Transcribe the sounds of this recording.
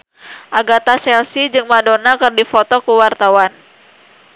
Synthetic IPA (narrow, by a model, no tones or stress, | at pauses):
ʔaɡat̪asɛlsid͡ʒɨŋmadonakɨrdifɔt̪ɔkuwart̪awan